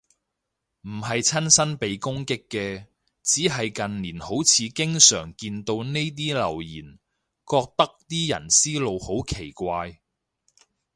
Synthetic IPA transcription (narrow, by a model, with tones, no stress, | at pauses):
m̩˨˩ɦɐ˨jt͡sʰɐ˥nsɐ˥npe˨jkʊ˥ŋkɪ˥kːɛː˧ | t͡siː˨˥ɦɐ˨jkɐ˨nliː˨˩nho˨˥wt͡sʰiː˨˧kɪ˥ŋsœː˨˩ŋkiː˧nt̪o˧wne˥jt̪̬iː˥lɐ̰˨˩wjiː˨˩n | kɔː˧k̚t̪ɐ˥k̚t̪iː˥jɐ̰˨˩nsiː˥lo˨˧who˨˥wkʰe˨˩jkʷaː˧j